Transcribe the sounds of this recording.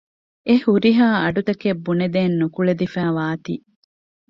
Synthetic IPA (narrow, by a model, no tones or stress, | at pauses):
ehuɾiɦaːɐɖut̪ɐkebːuned̪eːnːukuɭed̪ifæːʋaːt̪i